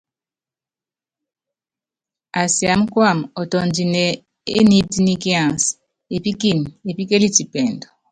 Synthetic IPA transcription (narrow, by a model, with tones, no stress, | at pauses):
a˨si˨a˨m̩˦kwa˦˨mɔ˨tɔ˨nd͡ʒi˨nɛ˨ | ḛ˦ni˦ti˦ni˦ki˦ã˨s | e˨pi˦ki˨n˨e˨pi˦ke˦li˦ti˨pɛ˨ndɔ˨